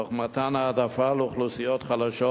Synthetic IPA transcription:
oχmat̪anaːd̪afaləuχlusijot̪χalaʃo

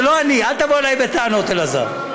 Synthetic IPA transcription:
loanialt̪avoelajbet̪aano̞t̪elaza̰ʁ

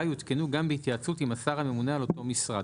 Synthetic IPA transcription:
jut̪kenuɡambehit̪jat͡sutimasaʁhame̞munealo̞to̞misʁad

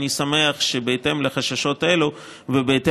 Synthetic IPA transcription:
nisame̞aχʃebeːte̞mleχaʃaʃo̞tʔelu | vebeːte

